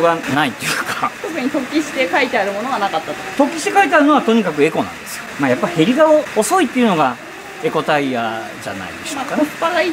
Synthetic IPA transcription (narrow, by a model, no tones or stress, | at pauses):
oɡanait̪ːo̞jɯ̟ːkat̪okɯ̟ɲ̟it̪o̞kʲːiɕi̥t̪e̞kait̪eaɾɯ̟mo̞noɡanakat̪ːat̪ot̪o̞kʲːi̥ɕi̥t̪e̞kait̪eaɾɯ̟no̞βat̪o̞ɲ̟ikak̬ɯ̟e̞ko̞nã̰nd̪e̞sɨjomajapːaihe̞ɾʲiɡaoːso̞it̪ːe̞iɯ̟no̞ɡa | e̞ko̞t̪aija | d͡ʑa̰na̰ḭd̪e̞ɕokanpaai